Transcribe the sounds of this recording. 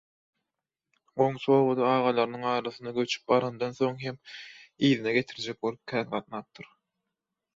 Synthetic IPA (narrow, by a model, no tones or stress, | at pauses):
ɢo̞ŋt͡ʃʰoːβod̪ɑɑːʁɑlˠɑɾɯnɯŋɑːɾɑθɯnd̪ɑɡø̞t͡ʃʰy̥p̚bɑɾɑnd̪ɑnθo̞ŋɦemiːðineɡʲe̞t̪ʰiɾd͡ʒek̚bo̞lˠup̚kʲʰæːnɢɑt̪̚nɑːp̚t̪ʰɯɾ